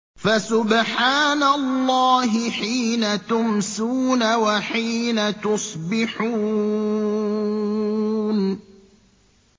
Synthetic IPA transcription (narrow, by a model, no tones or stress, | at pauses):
fasʊbħaːnalˤːɑːɦɪħiːnat̪ʊmsuːnawaħiːnat̪ʊsˤbɪħuː | n